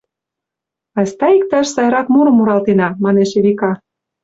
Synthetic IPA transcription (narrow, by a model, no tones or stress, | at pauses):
ɑsʲt̪ɑik̚t̪ɑʃsɑjɾɑt̪muɾɤ̆muɾɑlt̪enɑmɑneʃeβʲikɑ